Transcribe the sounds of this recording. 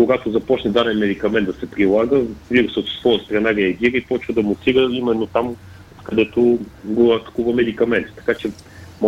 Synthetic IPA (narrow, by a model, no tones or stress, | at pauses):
koɡat̪ozɐpɔt͡ʃnɛd̪anɛnmɛd̪ikɐmɛnd̪d̪ɐsɛpɾilˠaɡəviɾusət̪ssvɔjəst̪ɾɐnaɾɛɐɡʲiɾəipɔt͡ʃvəd̪ɐmʊt̪siɾəimɛnːot̪am | kɐd̪ɛt̪oɡoɐt̪ɐ̥kuvəmɛd̪ikɐmɛnt̪t̪ːɐ̥kat͡ʃɛ | m